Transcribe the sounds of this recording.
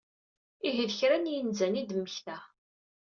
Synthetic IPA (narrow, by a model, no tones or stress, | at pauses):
iɦəðəçɾænjənzænid̪əmːəçθæ